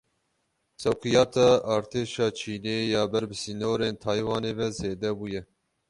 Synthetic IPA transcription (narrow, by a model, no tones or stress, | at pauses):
sɛwkʰɨjɑːt̪ʰɑːʔɑːɾt̪ʰeːʃɑːt͡ʃʰiːneːjɑːbɛɾbɨsiːnoːɾeːnt̪ʰɑːjwɑːneːvɛzeːd̪ɛbuːjɛ